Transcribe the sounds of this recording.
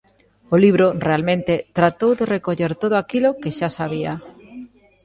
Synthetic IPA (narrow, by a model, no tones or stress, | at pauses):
oliβ̞ɾorealmẽnt̪et̪ɾat̪owðerekoʎeɾt̪oðoakilokeʃasaβ̞ia